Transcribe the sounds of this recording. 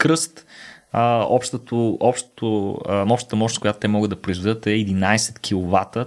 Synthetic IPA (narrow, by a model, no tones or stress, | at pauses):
kɾɤst̪əɔpʃt̪ət̪ʊɔpʃt̪o̥t̪ʊnɔpʃt̪ət̪əmɔt͡ʃnkʊjat̪ʊ̥t̪ɛmɔɡəd̪ɐpɾoizvɛd̪ət̪ɛːd̪inajsɛ̥t̪k̟ʰilˠovat̪ə